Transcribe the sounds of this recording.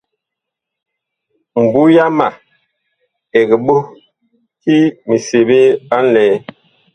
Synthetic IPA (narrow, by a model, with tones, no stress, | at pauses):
m̩˨bu˦ja˦ma˨ | ɛ˨ɡi˨ɓo˦ | ki˦mi˨se˨be˦ɓa˦lɛː˨˦